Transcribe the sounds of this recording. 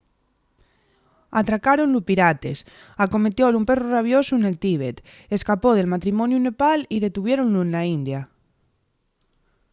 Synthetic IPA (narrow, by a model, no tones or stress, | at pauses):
at̪ɾakaɾonlupiɾat̪es | akome̞t̪jolumpe̞ruraβ̞josune̞lt̪iβ̞et̪ | eskapoð̞e̞lmat̪ɾimonjunepaliðe̞t̪uβ̞jeɾonluenlaind̪ja